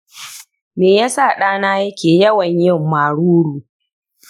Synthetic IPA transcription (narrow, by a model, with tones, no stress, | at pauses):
meː˨jaː˦saː˦˨ɗaː˦naː˦jɐ˦kʲʰeː˨jɐ˦wɐ˨ɲjɪ˦˨mːaː˨ɽuː˦ɽuː˨